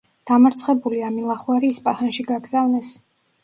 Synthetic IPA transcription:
d̪̥amaɾt̪sʰχɛbuliamilˠaχwaɾiːspʼahanʃiɡaɡzavnɛs

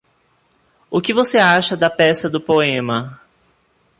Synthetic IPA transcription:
ʊkɪvoseaʃɐd̪ɐpɛsɐd̪ʊpoẽmɐ

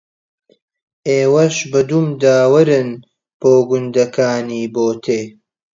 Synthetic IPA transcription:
ʔeːwɐʃbɨd̪umd̪aːwɐɾɨn | b̥oːɡʊnd̪ɐkʰaːniːboːt̪ʰeː

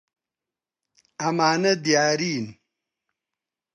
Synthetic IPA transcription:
ɐmaːnɐd̪ijaːɾiːn

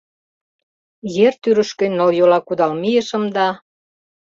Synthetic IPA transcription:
jert̪yɾə̆ʃkønʲoljolɑkud̪ɑlmijəʃə̆md̪ɑ

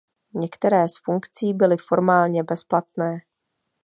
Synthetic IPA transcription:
ɲɛkt̪ɛɾɛːsfuŋkt͡siːbɪlɪfo̞ɾmaːlɲɛbɛsplat̪̚nɛː

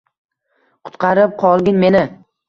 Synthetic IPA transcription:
qʰʊ̥t̪qʰɑɾɪp̚qʰɒlˠɡʲɪnme̞nɪ

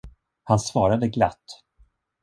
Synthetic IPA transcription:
hansvɑːɾad̪əɡla̰t̪ː

